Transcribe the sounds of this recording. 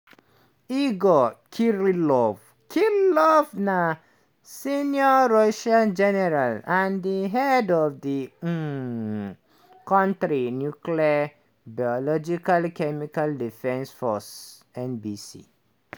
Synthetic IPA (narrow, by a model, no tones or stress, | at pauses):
iɡokʰiɹilɔv | kʰiɾlɔvna | sinjɔɹoʃãnd͡ʒɛnɛɾalãndiɦɛdɔvdi | kɔ̃ntɹinjuklia | baɔlɔd͡ʒikalkɛmikaldifɛ̃nsfɔs | ɛ̃nbisḭ